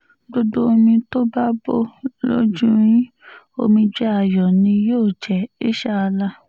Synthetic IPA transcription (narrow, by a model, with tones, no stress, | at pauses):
ɡ͡bo˦dõ˦˧mĩ˧to˦ba˦bo˦lo̰˦d͡ʒũ˦ɾ̃ĩ˦ | o˧mĩ˧d͡ʒɛ˦a˨jɔ˨nĩ˧joː˦˨d͡ʒɛ˨i˦ʃa˦a˧la˦